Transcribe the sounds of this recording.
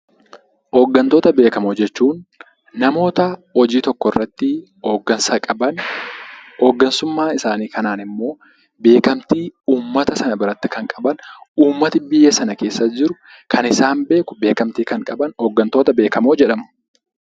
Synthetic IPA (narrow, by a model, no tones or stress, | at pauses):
hoːɡːɐnt̪o̞ːt̪ɐbe̞ːkɐmod͡ʒɛt͡ʃːuːnː | ɐmo̞ːt̪ɐhɔd͡ʒiːt̪ɔkːɔrːɐt̪ːɪ | oɡɐnsɐkʼɐbɐn | oːɡːɐnsʊmːaːɪsaːniːkɐnaːnɪmːo̞ː | be̞ːkɐmt̪iːuːmːɐt̪ɐsɐnɐbɪɾɐt̪ːɪkɐŋkʼɐbɐnuːmːɐt̪ɪbɪjːɛsɐnɐke̞ːsːɐd͡ʒɪɾʊ | kʰɐnɪsaːnbe̞ːkʊbe̞ːkɐmt̪iːkɐŋkʼɐbɐnhoːɡːɐnt̪o̞ːt̪ɐbe̞ːkɐmoːd͡ʒɛᶑɐmʊ̥